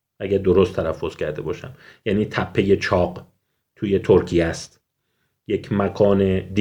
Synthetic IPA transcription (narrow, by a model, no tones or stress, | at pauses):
ʔæɟæɾd̪o̞ɾost̪ʰːælæfːo̞z̥kcʰæɾd̪e̞bɒːʃæ̰mjæːniːt̪ʰæpʰːe̞je̞t͡ʃʰɒːɢ | t̪ʰuːje̞t̪ʰoɾcʰijæst̪ | jecʰmækʰɒːne̞d̪i